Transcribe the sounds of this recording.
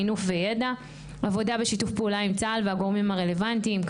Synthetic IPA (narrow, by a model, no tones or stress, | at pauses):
inufvejeda | ʔavo̞dabe̞ʃitufpeulaimt͡salveaɡoʁmimaʁe̞le̞vantimk